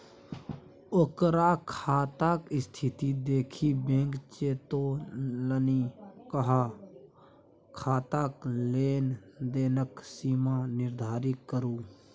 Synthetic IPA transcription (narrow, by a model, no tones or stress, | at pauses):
okɾaːkʰaːt̪aːkɪst̪ʰɪt̪id̪eːkʰibẽːŋkt͡ʃeːt̪olənikəɦaː | kʰaːt̪aːkleːnd̪eːnəksiːmaːnɪɾd̪ʱaːɾɪkːəɾuː